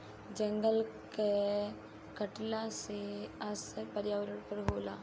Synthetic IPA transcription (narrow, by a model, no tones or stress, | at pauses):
d͡ʒəŋɡəlke | kəʈlaseɐspəɾjaːʋəɾəɽpəɾɦoːlaː